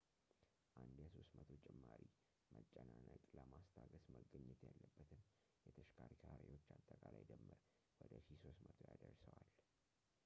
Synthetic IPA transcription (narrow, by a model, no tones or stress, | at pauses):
ʔand̪jaso̞st̪mət̪ʰo̞t͡ʃʼɛmːaɾi | mət͡ʃʼːənanajt̪ʼləmast̪ʰaɡəsməɡɨɲːɛt̪jalːəbːət̪ʰɨn | jɛt̪ʰəʃkʰaɾit̪ʰaɾewo̞t͡ʃːat̪ʼːəkʼalajd̪əmːɨɾ | wɔd̪əʃiso̞st̪mət̪ʰojad̪ərsəwal